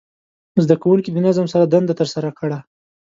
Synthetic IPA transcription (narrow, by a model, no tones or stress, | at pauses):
zd̪akawuŋkid̪ənazamsaɾad̪and̪at̪əɾsaɾakəɽa